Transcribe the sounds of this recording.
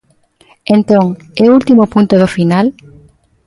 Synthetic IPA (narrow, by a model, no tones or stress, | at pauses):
ẽnt̪õŋ | ɛult̪imʊpũnt̪ʊðʊfinal